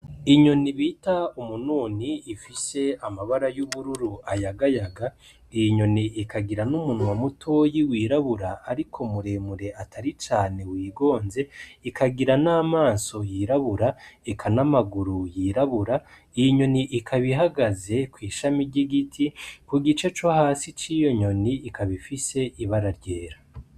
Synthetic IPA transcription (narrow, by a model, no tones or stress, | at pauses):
iɲo̞niβiːtaumunuːniːfise̞amaβaɾajuβuɾuɾuajaɡajaɡa | ijiɲo̞niʔːkaɡiɾanumunŋwamutʰo̞jiwiːɾaβuɾaːɾikʰomuɾe̞ːmuɾe̞ʔatʰaɾit͡ʃaːne̞wiːɡo̞ːnze̞ikʰaɡiɾanaːmaːnso̞jiɾaβuɾaekʰanamaɡuɾujiːɾaβuɾa | ijiɲo̞niʔikʰaβiɦaɡaze̞kwiːʃamiɾɟiɡitʰikuɡit͡ʃe̞t͡ʃohaːsit͡ʃijo̞ɲo̞niːkʰaβifise̞ʔiβaɾaɾɟe̞ːɾa